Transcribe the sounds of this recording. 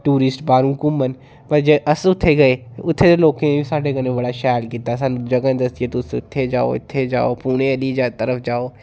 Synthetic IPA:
ʈuːɾɪsʈbaːɾũːkʊmːən | pɐɾd͡ʒeʔɐsʊt̪ʰːeɡɐeʊt̪ʰːet̪eloːkẽbisaːɖeɡənẽbɐɽaʃaːlkiːt̪asand͡ʒɐɡand̪ɐsiet̪ʊsʊt̪ʰːed͡ʒaːo̰ɪ̰t̪ʰːed͡ʒa̰ːopuːñẽɐlid͡ʒat̪əɾəfʰd͡ʒaːoː

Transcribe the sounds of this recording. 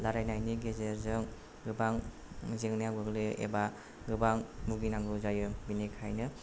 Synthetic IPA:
laɾajnajniɡezeɾzɯŋ | ɡɯbaŋ | mɯzeŋnijawɡɯɡlɯʔḛba | ɡɯbaŋbuɡinaŋɡɯzajɯbinikʰajnɯ

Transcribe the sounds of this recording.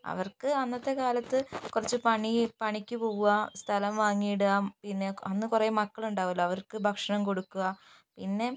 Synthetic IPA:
ɐ̰ʋɐrkɨɐnːɐt̪ːe̞kaːlɐt̪ːɨkurɐt͡ɕːɨpɐɳipɐɳikʲːɨpo̞ːɣuɣɐst̪ʰɐlɐmʋaːŋːijɽɨaːpinːe̞ɐnːɨkureːmɐkːɐɭuɳɖaːʋulːɐɐʋɐrkɨbʱɐkʂɐɳɐmko̞ɽukːuɣɐ | pinːe̞

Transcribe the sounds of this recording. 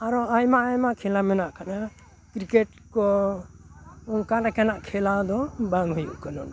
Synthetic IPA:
aɾɔajmaʔajmaʔkʰɛlamɛnaʔkʰana | kɾikeʈ | kɔ | kalakanaʔkʰɛlad̪ɔbaŋɦujṵʔkanɔn

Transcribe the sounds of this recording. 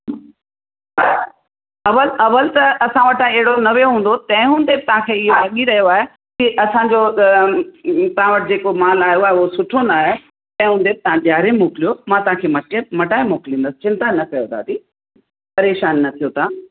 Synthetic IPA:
ɐʋəlɐʋəlt̪ɐɐsãʋɐʈeɦɪɽonɐʋeɦũːn̆d̪ot̪ɐ̃ɦɪ̃ɦũːnd̪ebɪt̪ɐʋ̤ãkʰeːɪɦolɐɠiɾɐɦijoaːɦe | kiʔɐsãɲd͡ʑo | t̪ɐʋ̤ãʋɐʈɪd͡ʑeːkomaːlaːɦjoaːɦeuosʊʈʰonaːɦe | t̪ɐ̃ɦɪ̃ɦũːnd̪eb̚t̪ɐãʄjaːɾemoːklijomãt̪ɐʋ̤ãkʰeːmɐʈemɐʈaːemoːkɪlĩːnd̪əsɪ̥t͡ɕɪ̃nt̪anɐkɐjot̪ʰa̰ːt̪i | pɐɾeːʃaːnːɐt̪ʰijot̪ʰãː

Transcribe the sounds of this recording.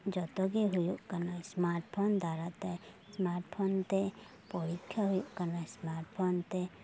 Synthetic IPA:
d͡ʒɔt̪ɔɡiɦʊjuʔkənasmaɾʈpʰond̪ʱaɾat̪ɛ | smaːɾʈpʰont̪e | pɔɾikʰjaɦʊjuʔkənasmaːɾʈpʰont̪e

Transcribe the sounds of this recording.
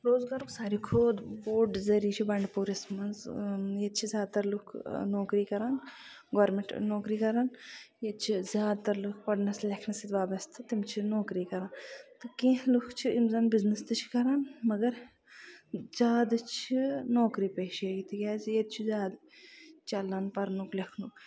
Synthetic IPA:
ɾoːzɡaːɾuksaːɾikʰoːd̪boːɖzɐɾiːt͡ʃʰibɐɳɖpuːɾismɐnzjeːd̪t͡ʃʰizʲjaːd̪̚t̪ɐɾlukʰnoːkɾiːkɐɾaːn | ɡʋɐɾmẽɳʈnoːkɾiːkɐɾaːnjet͡ʃʰizjaːd̪̚t̪ɐɾlukʰpɐɖnɐslekʰnɐsit̪ʋaːbɐst̪ʰɨt̪imt͡ʃʰinoːkɾiːkɐɾaːnt̪ɨkẽːɦlukʰt͡ʃʰiimzɐːnbiznəst̪ɨt͡ʃʰi̥kɐɾaːnmɐɡɐɾ | zjaːd̪t͡ʃʰinoːkɾiːpeːʃeɡit̪ʰiɡʲaːzjed̪̚t͡ʃʰizʲaːd̪ | t͡ʃɐlːaːnpɐɾnuklekʰnuk

